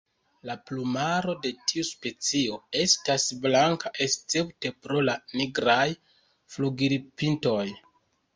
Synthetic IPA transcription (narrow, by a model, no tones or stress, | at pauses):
laplumaɾo̞de̞tʰiuspe̞t͡sio̞e̞stasblaŋkaʔe̞st͡se̞pte̞pɾo̞laniɡɾaj | fluɡiɾpinto̞j